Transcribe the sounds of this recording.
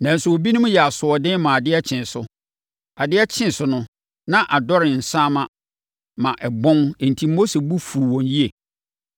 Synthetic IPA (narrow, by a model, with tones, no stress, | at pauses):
nã˨n̩˨sʊ˨o˨bi˦nʊ̃˦m̃˦jɛ˨a˨sʊ˨ɔ˨dɪ̃˦n˦mã˨a˨dɪ˦ɛ˦t͡ɕʰɪ̃˨n˨sʊ˦ | a˨dɪ˦ɛ˦t͡ɕʰɪ̃˦n˨sʊ˨nʊ̃˦ | nã˦ʔa˨dɔ˦ɾɪ˨n̩˨sãː˦mã˦ | mã˨ʔɛ˨bɔ̃˦n˨n̩˨tʰiː˦o˦se˨bu˦fu˨ɾwɔ̃˨nji˦e˨